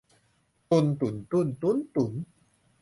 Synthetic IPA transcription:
t̪u˧˨nt̪u˨˩˦nt̪u˧˩˨nt̪u˧˦nt̪u˨˩˦n

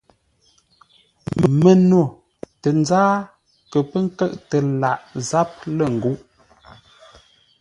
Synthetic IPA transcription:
mə˨no˨ | tə˨n˦zaː˦ | kə˨pə˦ŋ̩˦kə˦˨ʔtə˨la˨ʔza˦p̚lə˨ŋ̩˨ɡu˦ʔ

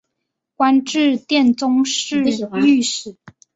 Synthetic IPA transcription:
kwa˥nʈ͡ʂɻ̩˥˧t̪jɛ˥˨˩nt͡sʊ˥ŋʂɻ̩˥˨˩y˥˩ʂɻ̩˨˩˦

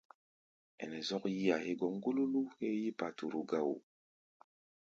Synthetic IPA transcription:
ɛ̰˨nɛ˨zɔ˦kji˦a˨he˦ɡɔ˦ŋ˦ɡu˦lu˦lu˦he˦ji˦pa˨tu˨ɾu˨ɡa˦wu˨

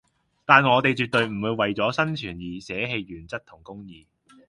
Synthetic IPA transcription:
t̪aː˨nŋɔː˨˧t̪e˨jt͡ʃyː˨t̚t̪ɵ˨˧ɥm̩˨˩wuː˨˧jwɐ˨jt͡sɔː˨˥sɐ˥nt͡ʃʰyː˨˩njiː˨˩sɛː˨˥ɦe˧jɥyː˨˩nt͡sɐ˥t̚t̪ʰʊ˨˩ŋkʊ˥ŋjiː˨

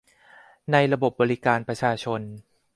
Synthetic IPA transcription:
na˧jɾa˧bo˨˩p̚bɔː˧ɾi˦kaː˧npɾa˧t͡ɕʰaː˧t͡ɕʰo˧n

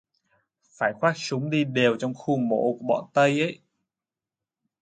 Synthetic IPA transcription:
faː˧˩jxwaː˦˥t̚sʊ˨˦ŋ͡mɗi˧ɗe˨˩wt͡ɕɔ˧wŋ͡mxu˧mo̰˧˥ku˧˩əɓɔ̰ː˧˨˩nt̪ə˧jʔə˧˥˦j

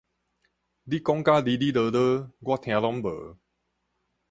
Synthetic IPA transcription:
li˦kɔ˦ŋka˦li˧li˦də˧˦də˦ɡwa˦˨t̪ʰj̃ã˧lɔ˦mbə̰˨˦

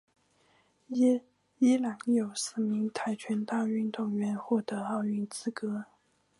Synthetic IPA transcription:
i˥lɑ˨˩ŋjo˨˩ʊsɹ̩˥˩mi˧˥ŋt̪ʰa˧˥ɪt͡ɕʰɥɛ˧˥nt̪a˥˧y˥˧nt̪ʊ˥˩ŋɥɛ˧˥nxwɔ˥˩t̪ɤ˧˥ɑ˥˧ʊy˥˩nt͡sɹ̩˥kɤ˧˥˦

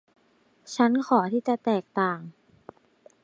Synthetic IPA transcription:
t͡ɕʰa˦˥nkʰɔː˩˦t̪ʰiː˥˩t͡ɕa˨˩t̪ɛː˨˩k̚t̪aː˨˩ŋ

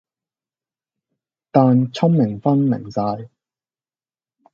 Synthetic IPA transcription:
t̪aː˨nt͡sʰʊ˥mmɪ˨˩ŋfɐ˥nmɪ̰˨˩ŋsaː˧j

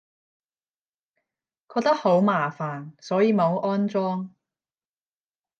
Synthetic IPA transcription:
kʰɔː˧k̚t̪ɐ˥k̚ho˨˥wmaː˨˩faː˨˩nsɔː˨˥jiː˨˧mo˨˧wʔɔː˥nt͡sɔː˥ŋ

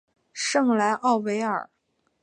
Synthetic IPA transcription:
ʂɤ˥˩ŋla˧˥ɪʔɑ˥˩ʊwe˧˥ɪə̰˞˨˩˦

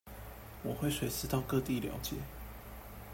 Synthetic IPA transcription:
wɔ˨˩xwe˥˩ɪswe˨˥ɪsɹ̩˥˧t̪ɑ˥˧ʊkɤ˥˧t̪i˥˩ljɑ̰˧˥ʊt͡ɕjɛ̰˨˦

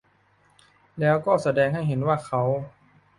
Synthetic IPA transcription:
lɛː˦˥wkɔː˥˩sa˧˦dɛː˧ŋɦa˥˩jɦe˩˦nwaː˥˩xʰa˦˥w

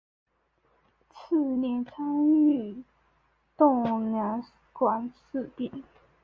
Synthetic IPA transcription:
t͡s̩ʰ˥˩njɛ˧˥nt͡sʰa˥ŋy˥˩ | t̪ʊ˥˨ŋnja˨˧˥ŋ | kwa˨˩ns̩˥˧˨t̪i˥˩ŋ

